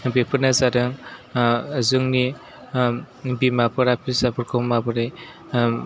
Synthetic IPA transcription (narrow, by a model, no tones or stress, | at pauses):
bepʰɯnazadɯŋ | zɯŋni | bimapʰɯɾapʰizabɯɾkʰɔmabɯɾe